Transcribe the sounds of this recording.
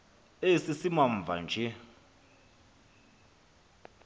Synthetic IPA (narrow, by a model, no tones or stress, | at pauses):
esisimaɱvʱa̰nd͡ʒʱɛ